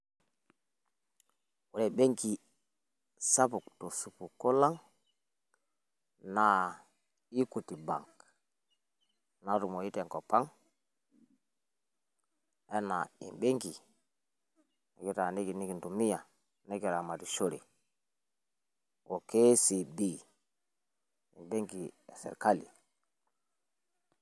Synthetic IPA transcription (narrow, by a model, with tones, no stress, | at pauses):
wu˨ɾe˨be˦ŋki˨ | sa˦pu˨kto˨su˨pu˨ko˦la˦ŋ | na˨ | i˦ku˨ti˨ba̰˨ŋk | na˨ɾu˨mo˨i˦te˨ŋko˨pa˦ŋ | e˦na˨ḭ˨mbe˦ŋki˨ | ki˦ta˨ne˦ki˨ni˦ki˨ntu˨mi˦ja˨ | ne˦ki˨ɾa˨ma˨ti˨ʃo˦ɾḭ˨ | wo˨ke˦si˨bi˦ | ḭ˨mbe˦ŋki˨e˨sḛ˨ɾka˦lḭ˨